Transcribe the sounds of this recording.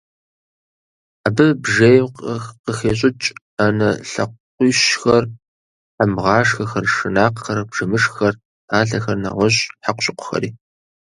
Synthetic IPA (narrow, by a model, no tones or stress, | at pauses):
aːbɨbʒejqxqəxeːɕ̬ʼɪt͡ʃʼ | anɐɬɐ̰qʷʊːɕxɐr | ħamʁɑːʂxɐxɐrʂɨnaːqxɐɾɐbʒ̥ɐmɨʂxɐr | aːɬɐxɐrnɐ̰ʁʷɔɕʼħaqʷɕʼɪqʷʰʊ̥xɐ̰ɾiː